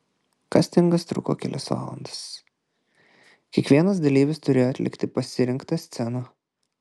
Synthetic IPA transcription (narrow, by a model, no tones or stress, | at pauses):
kɐsʲt̪ʲɪŋɡɐst̪ɾʊ̰ko̰ːkʲɛ̰lʲɪ̰sʋa̰ːlˠɐ̰nd̪ɐ̥s | kʲiɛkʋʲiɛnɐsd̪ɐlʲiːʋʲɪst̪ʊɾʲeːjoɐt̪ʲlʲɪkt̪ʲɪpɐsʲɪɾʲɪŋkt̪ɑsʲt̪sʲɛnoː